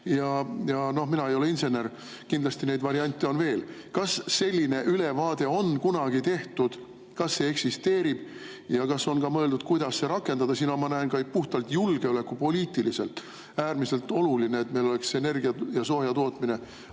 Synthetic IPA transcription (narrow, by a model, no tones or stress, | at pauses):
jɑjɑno̞hminɑejo̞leinse̞ne̞r | kind̪lɑst̪ine̞jd̪vɑɾiɑnʲt̪ːˑeo̞nve̞ːlkɑsːe̞lʲːine̞ʔyle̞vɑːd̪̥e̞o̞nkunɑɡ̥it̪e̞ht̪ud̪̥ | kɑsːe̞ːeksist̪e̞ːɾib̥ | jɑkɑso̞nkɑmɤe̞ld̪ud̪̥̚kujd̪̥ɑsːe̞ɾɑkːˑe̞nɑd̪̥ɑsinomɑnæenkɑjk̚puht̪ɑlt̪julɡ̥e̞ole̞kːˑupo̞liːt̪ˑilise̞̰lt̪ˑ | æːrmise̞lt̪ːˑo̞luline̞et̪me̞jlo̞le̞kse̞ne̞rɡiɑjɑso̞ːjɑt̪o̞ːt̪mine̞